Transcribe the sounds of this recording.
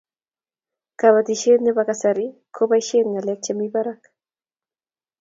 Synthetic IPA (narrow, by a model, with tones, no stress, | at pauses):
ka˨ba˨t̪i˨ʃe˦t̪nɛ˦ba˦kasa˨ɾikʰo˦ba˦iʃe˦nŋa˨lɛk̚t͡ʃamiba˦ɾak